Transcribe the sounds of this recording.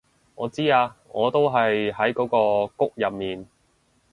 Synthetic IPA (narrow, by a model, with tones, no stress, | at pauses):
ŋɔ̰ː˨˧t͡siː˥aː˧ŋɔː˨˧t̪o˥wɦɐ˨jɦɐ˨˥jkɔː˨˥kɔː˧kʊ˥k̚jɐ˨p̚miː˨n